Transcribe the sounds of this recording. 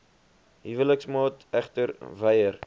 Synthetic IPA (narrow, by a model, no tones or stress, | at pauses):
ɦivələksmɑːtæχtəɾvɛjər